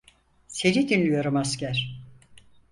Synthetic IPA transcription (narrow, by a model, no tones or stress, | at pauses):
senid̪inlʲyjo̞ɾumascæɾ̥